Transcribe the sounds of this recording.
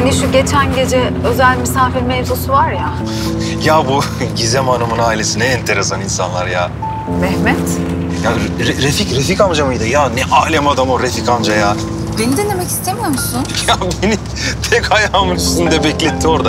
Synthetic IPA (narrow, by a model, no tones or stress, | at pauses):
haniʃuɟe̞t͡ʃʰænɟe̞d͡ʒɛ | ø̞zælʲmisaːfiɾmevzusuvaɾja | jabu | ɟizɛmanamɯnaːilʲesinɛːnt̪ʰe̞ɾe̞saninsa̰nlˠaɾja | mɛhmɛt̪ | jaɾɾeficɾefikand͡ʒamajd̪ɯjanɛʔaːlʲemad̪amoɾefikand͡ʒajaː | be̞nid̪enːemɛci̥st̪ʰemyjomusʊnjabeni | pʰɛchajamɯnisind̪ɛbɛclʲet̪ʰːio̞ɾd̪a